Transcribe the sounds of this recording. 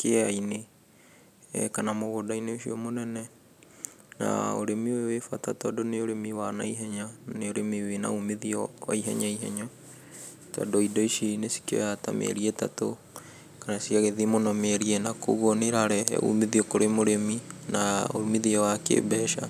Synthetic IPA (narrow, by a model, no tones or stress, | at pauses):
keɛaine | kanamoɣodaineoʃiɔmonɛnɛ | na̰o̰ɾemiwewefatatɔdoneoɾemiwana̰iɦɛɲaneoɾemiwena̰umeðiɔwa̰iɦɛ̰ɲaiɦɛɲɔ | tɔ̰doidɔiʃinesi̥ko̰jata̰mḛɾiɛtato | kanasiaɣeðimonɔmeɾiɛnako̰ɣɔneɾaɾɛ̰ṵmiðiokoɾemoɾeminao̰miðiɔwakḛbɛʃa